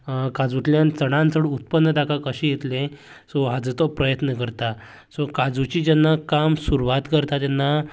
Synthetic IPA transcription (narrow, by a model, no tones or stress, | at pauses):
kad͡zuʈljant͡səɽ̃ãnt͡səɽut̪̚pənːət̪akakəɕijet̪lẽ | sɔɦad͡zət̪ɔpɾəjət̪nəkəɾt̪a | sɔkad͡zut͡ɕid͡ʑanːakamsuɾuʋat̪kəɾt̪at̪janːa